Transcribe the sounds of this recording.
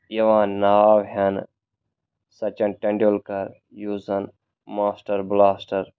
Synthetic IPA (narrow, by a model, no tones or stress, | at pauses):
jɐʋãːnːaːʋɦɐn | sɐt͡ʃɐɳʈɐɳɖjolkɐɾ | juːzɐn | maːsʈɐɾblaːsʈɐɾ